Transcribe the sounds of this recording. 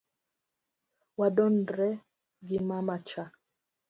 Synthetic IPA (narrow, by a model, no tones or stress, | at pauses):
wadɔndɾɛ | ɡimamat͡ʃa